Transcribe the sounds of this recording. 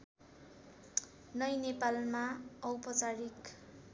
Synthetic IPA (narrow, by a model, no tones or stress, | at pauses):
nʌjnepalmaʌwpʌt͡saɾik